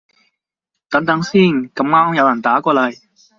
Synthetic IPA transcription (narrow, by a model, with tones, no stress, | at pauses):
t̪ɐ˨˥ŋt̪ɐ˨˥ŋsiː˥˩nkɐ˨˥mŋaː˥ŋjɐ˨˧wjɐ˨˩nt̪aː˨˥kʷɔː˧lɐ˨˩j